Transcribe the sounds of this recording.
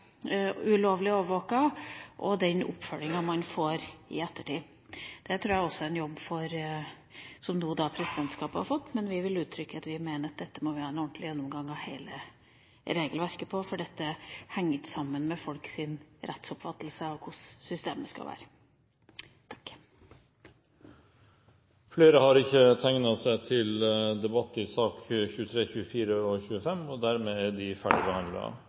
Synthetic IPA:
ʉloːʋlɪoːʋəɾʋoːkɑʔɔd̪ɛnʊ̰pːfœlɪŋɑmɑnfoːɾɪ̰ɛt̪ːəʈiː | d̪̥ɛt̪ʰɾuːjæɔsːɔɛɛnjɔbːfɔɾ | sɔmnuːd̪ɑpʰɾɛsɪd̪ɛnt̪skɑːphɑ̰ɾfɔt̪ːmɛnʋɪʋɪlʉːt̪ʰːɾʏkːəɑt̪ʋɪmeːnəɑt̪̚d̪ɛt̪ːəmɔʋɪhɑːɛnɔɳt̪ʰlɪjɛnːʊmɡɑŋːɑʋheːlə | ɾeːɡəlʋæɾkəpʰɔfɔɖɛt̪ːəhɛŋːət̪sɑmːənmɛfɔlksɪnɾʔɛt̪sɔpfɑt̪ːəlsəɑʋkʰʊssʏst̪eːməskɑ̰ʋæ̰ːɾə | t̪ʰk | fleːɾəhɑɾɪçːət̪ʰæŋnɑsæɪt̪ʰɪld̪ɛbɑt̪ːɪsɑːkçʉːət̪ʰɾeːçʉːəfiːɾəɔçʉːəfɛmːɔd̪æɾmeːæɖɪfæɖɪbəhɑnd̪lɪ̰ɑ̰

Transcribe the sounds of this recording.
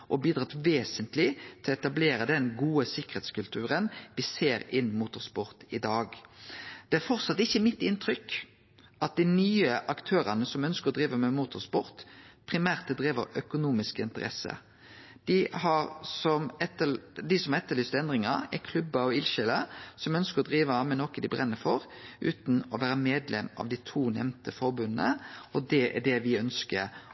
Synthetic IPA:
ʔɔbiːd̪ʁɑːt̪ʋeːsənt̪lɪt̪ʰɛlɔɛt̪ɑbleːɾəd̪ɛnɡuːəsɪkːə̥ɾheːt̪skʉlt̪ʰʉːɾənʋɪseːɾɪnːmuːt̪ʊʁspɔɾt̪ɪd̪ɑːɡ | d̪̥ɛæɾfɔʁt̪sɑt̪ːɪçːəmɪt̪ːɪnt̪ʰʁʏk | ʔɑt̪̚d̪ɪnyːəʔɑkt̪ʰøːɾɑnəsɔmœnskəʁɔd̪ɾiːʋəmɛmuːt̪ʊʁspɔɾt̪pʰʁɪmæːʁt̪d̪ʁiːʋəɾœkʊnuːmɪskɪnt̪əɾɛ̰sə̰ | d̪̥ɪhɑɾsɔmɛt̪ːəd̪ɪsɔmhɑʁɛt̪ːəɾɭyːst̪ɛnd̪ʁɪŋɑɾɛ̰kʰlʉbːəɔɪlʃɛləsɔmœnskəʁɔd̪ɾiːʋəmɛnɔkːəd̪ɪbɾʁɛnːəfɔɾ | ʔʉ̰ːt̪n̩ɔʋæːɾəmeːd̪lɛmɑ̰ʋd̪ɪt̪ʰuːnɛ̰mnt̪əfɔɾbʉnːə̰ɔd̪ɛʔæ̰ɖɛʋɪœnskə̰ɾ

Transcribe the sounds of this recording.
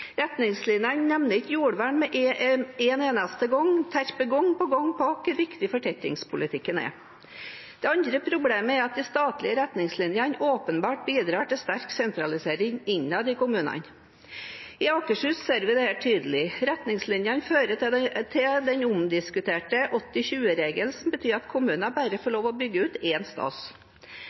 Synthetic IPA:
ɾɛt̪nɪŋslɪnjənnɛmnəɪtːjuːɽʋæːɳmɛʔeːneːnɑst̪əɡɔŋt̪ʰæɾpəɡɔŋpɔɡɔŋːpʰɔɑkːəɾʋɪkt̪ɪfɔʈʰɛt̪ːɪ̰ŋspʰʊlɪt̪ʰɪkːənɛ̰ | dd̪̥ɛːɑnd̪ɾəpʰɾʊbleːməæɾɑt̪̚d̪ɪst̪ɑːt̪lɪəɾɛt̪nɪŋslɪnjənoːpənbɑːʈ̚biːd̪ɾɑːʈɪlst̪æɾksɛnt̪ɾɑlɪseːɾɪŋɪɲːɑd̪ɪkʊmʉːnɑ̰n | ɪɑːkəʂʉːsseːɾʋɪd̪ɛhæːʈʰyːd̪əlɪɾɛt̪nɪŋslɪnjənføːɾət̪ʰɪld̪ɛnʊmd̪ɪskʉt̪ʰeːʈəʔɔt̪ːɪɕʉːəɾeːɡəlsɔmbət̪ʰyːɾɑt̪kʰʊmʉːnɑbæɾəfɔɭoːʋɔbʏɡːəʉːt̪eːnst̪ɑ̰ːs

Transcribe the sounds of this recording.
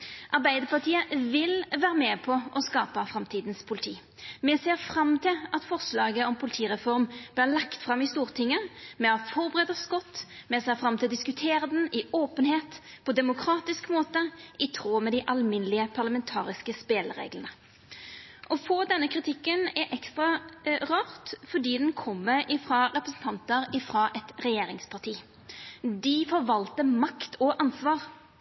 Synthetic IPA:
ʔɑʁbæɪd̪əʁpʰɑt̪ʰiːəʋɪlʋæːʁəmɛːpʰɔʔɔskɑːpəfʁɑmt̪ʰiːd̪nspʰʊlɪt̪ʰiː | mɛseːʁfɾɑmt̪ʰɪlʔɑt̪fɔʁslɑːɡəɔmpʰʊlɪt̪ʰiːʁɛfɔʁmb̥lɪʁlɑkt̪fʁɑmːɪst̪uːʁt̪ʰɪŋːəmɛɑfɔʁbəʁɛːd̪əskɔt̪ːmɛseːʁfʁɑmt̪ʰɪld̪ɪskʉt̪ʰeːɾəd̪n̩ɪoːpənheːt̪pʰɔd̪ɛmʊkʰɾɑːt̪ɪskmoːt̪əɪt̪ʰɾoːmɛd̪ɪʔɑlmɪnəlɪəpʰɑʁləmɛnt̪ʰɑːɾɪskəspeːləɾḛːɡlənə | ʔɔfoːd̪ɛnːəkʰʁɪt̪ʰɪkːənɛʔɛkst̪ʁɑʁɑːʁt̪fɔɖiːd̪ɛnkʰɔmːəʔɪfɾɑːʁɛpɾəsn̩t̪ʰɑnt̪əɾɪfɾɑːʔɛt̪ʁɛjeːɾɪŋspʰɑʈ̪ʰiː | d̪ɪfɔɾʋɑlt̪əmɑkt̪ʰɔʔɑnsʋɑːʁ

